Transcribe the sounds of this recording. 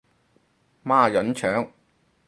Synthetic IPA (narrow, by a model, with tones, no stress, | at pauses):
maː˥˨jɐ˨˥nt͡ʃʰœː˨˥ŋ